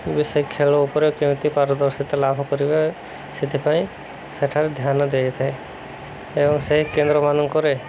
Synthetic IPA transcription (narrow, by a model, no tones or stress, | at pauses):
bisɔjkʰelɔupɔɾekemt̪ipaɾɔd̪ɔɾsit̪ɔlabʱɔkɔɾibe | sit̪ʰipaĩ | seʈʰaɾed̪ʱjanɔd̪ejt̪ʰae | ebɔŋseɦikend̪ɾɔmanɔŋkɔɾe